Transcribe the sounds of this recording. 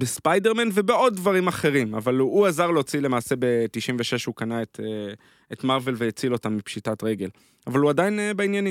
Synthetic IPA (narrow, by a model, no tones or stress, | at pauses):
bespajde̞ʁmenve̞be̞o̞d̚dvaʁimaχe̞ʁimavaluazaʁleot͡silemaːse̞be̞tiʃimveʃeʃukanaete | etmaʁve̞lvejet͡silo̞tamːipʃitatʁe̞ɡe̞l | avaluadajinebeinjani